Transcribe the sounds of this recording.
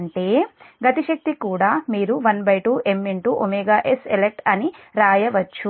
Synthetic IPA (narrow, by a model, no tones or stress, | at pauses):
ɳʈe̞ːɡɐt̪iʃɐk̚t̪ikuːɽaːmiːɾuʋɐnbɐjʈuːʔe̞mːeɳʈuːʔomeːɡaːʔeselek̚ʈɐniɾaːjɐʋɐt͡ʃːu